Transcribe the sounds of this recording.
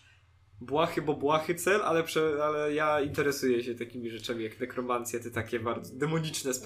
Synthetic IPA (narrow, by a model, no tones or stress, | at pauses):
bwaxɘbɔbwaxɘt̪sɛlʔalɛpʂɛalɛjaint̪ɛɾɛsujɛɕɛt̪akʲimʲiʐɛt͡ʂamʲijakd̪ɛkɾɔmant̪sʲjɛt̪ɛt̪akʲɛbaɾd̪zɔd̪ɛmɔɲit͡ʂnɛsp